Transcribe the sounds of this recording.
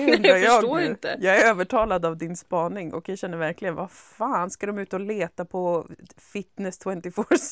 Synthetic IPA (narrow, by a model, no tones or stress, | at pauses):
ɛnajɑːɡoːɪnt̪əjɑːɡæɾøːvəʈʰɑːlad̪avd̪ɪnspɑːnɪŋʔɔ̰kjaɕɛnːəɾvæɾklɪɡənva | faːnskad̪ɔmʉ̟ːt̪əɔleːt̪apʰɔfɪt̪nɛst̪ʰwɛnt̪ɪfɔs